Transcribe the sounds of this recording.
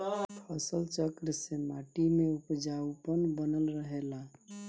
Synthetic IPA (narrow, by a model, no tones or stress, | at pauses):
pʰəsəlt͡ʃəkɾsemaʈimeupd͡ʒaupənbənəlɾəɦela